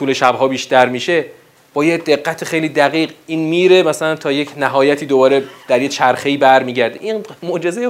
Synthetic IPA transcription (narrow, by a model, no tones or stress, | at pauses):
t̪ʰuːle̞ʃæbɦɒːbiːʃt̪æɾmiːʃe̞ | b̥ɒːjed̪e̞ɢːæt̪ʰexejliːd̪æɣiːɢiːnmiːɾe̞mæsælænt̪ʰɒːjecʰnæɦɒːjæt̪ʰiːd̪obɒːɾe̞d̪̥æɾjet͡ʃʰæɾxe̞iːbæɾmiːɟæɾd̪eʔinmod͡ʒe̞zeje